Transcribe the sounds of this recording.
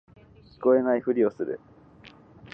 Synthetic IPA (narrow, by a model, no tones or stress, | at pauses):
çʲi̥ko̞e̞naiɸɯ̟ɾʲio̞sɨɾɯ̟̰